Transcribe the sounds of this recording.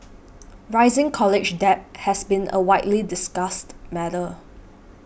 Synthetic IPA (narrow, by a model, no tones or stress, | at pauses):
ɹaɪzɪ̃ŋkʰɔlɪd͡ʒdɛp̚hɛsbĩnʔə̰waɪʔlidɪsɡastmɛɾə